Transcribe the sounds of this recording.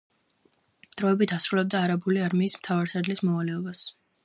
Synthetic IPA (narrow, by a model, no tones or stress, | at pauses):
d̪̥ɾɔɛbit̪ʰasɾulɛb̚d̪aːɾabuliaɾmiːsmt̪ʰavaɾsad̪lismɔvalɛɔbas